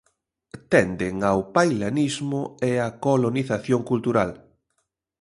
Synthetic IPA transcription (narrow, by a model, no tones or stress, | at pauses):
t̪ɛnd̪ɪŋawpajlanizmʊeakoloniθaθjoŋkult̪uɾal